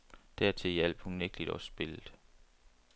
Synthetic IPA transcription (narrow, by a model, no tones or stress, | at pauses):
d̥æɐt͡sʰe̝jæl̰b̥hunnːeɡ̥lid̥ɒsb̥e̝ləð̥ˠ